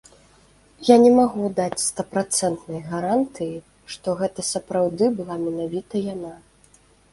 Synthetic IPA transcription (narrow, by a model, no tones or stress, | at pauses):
janʲɛmaɣud̪at͡sʲst̪ɐpɾat̪sɛnt̪nɐjɣɐɾant̪ɨji | ʂt̪ɔɣɛt̪ɐsɐpɾawd̪ɨbɨlˠamʲɛnavʲit̪ɐjana